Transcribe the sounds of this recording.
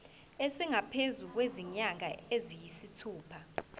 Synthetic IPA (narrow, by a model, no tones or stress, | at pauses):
esiŋapʰezuk̬weziɲaŋa̰ezijisitʰuːpʰa